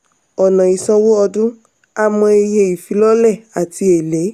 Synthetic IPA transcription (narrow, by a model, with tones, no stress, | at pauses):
ɔ˨nã˨i˨sɔ˧wo˦ɔ˧dũ˦ | a˧mɔ̃˧e˧je˧i˨fi˨˦lɔ˦lɛ˦˨a˨ti˧e˨le˨˦